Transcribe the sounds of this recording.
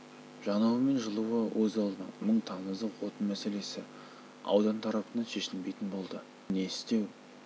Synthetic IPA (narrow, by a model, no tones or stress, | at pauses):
ʒ̥ɑnɑwəme̞nʒəlˠuwəwʔɵzɑlˠd̪əməɴt̪ʰɑnəzd̪əqʰwo̞t̪ənmæse̞le̞sɪ | ɑ̰wd̪ɑnt̪ʰɑɾɑpənɑnʃe̞ʃɪlbe̞jt̪ɪnbo̞lˠd̪ə | ne̞ɪst̪e̞w